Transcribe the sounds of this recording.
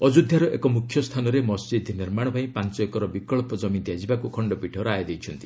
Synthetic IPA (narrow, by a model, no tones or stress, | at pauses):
ɔd͡ʒud̪ʱjaɾɔʔḛkɔmukʰjɔst̪ʰanɔɾemɔsd͡ʒid̪ʱniɾmaɽ̃ɔpaĩpant͡ʃɔekɔɾɔbikɔɭpɔd͡ʒɔmint̪iad͡ʒibakukʰɔɳɖɔpiʈʰɔɾajed̪ejt͡ʃʰɔnt̪i